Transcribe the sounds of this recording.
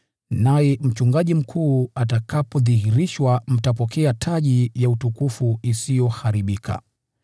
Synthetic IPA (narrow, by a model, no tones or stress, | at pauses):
najɛm̩t͡ʃuŋɡaʄim̩kʰuːatakapɔðihiɾiʃwam̩tapɔkʰɛatʰaʄijautukufuisijɔhaɾiɓikʰa̰